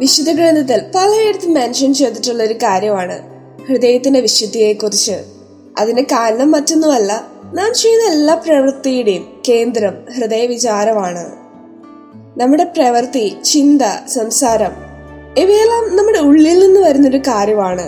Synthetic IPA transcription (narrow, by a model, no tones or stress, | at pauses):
ʋiɕud̪ɐɡɾeːnd̪ʱɐt̪̬ːilpɐlɐjeɽɐt̪ːimenʂɐnt͡ɕe̞jt̪ːiʈːuɭːɐo̞ɾukaːɾjɐmaːɳɨ̰ | hrɨd̪ɐjɐt̪ːinde̞ʋiʂɐd̪ːijeːkːurit͡ɕːɨ̰ | ɐ̰ðinekaːɾɐɳɐmːɐtːonːumɐlːɐnaːmt͡ɕejnːɐelːaːprɐʋɐrt̪ijiɽejumke̞ːnd̪rɐmhrɨðɐjɐʋit͡ɕaːɾɐmaːɳɨ̰ | nɐmːuɽe̞prɐʋɐrt̪it͡ɕind̪ɐsɐmsaːɾɐm | eʋeːlaːmnɐmːuɽe̞uɭːilninːuʋɐɾunːo̞ɾukaːɾjɐmaːɳɨ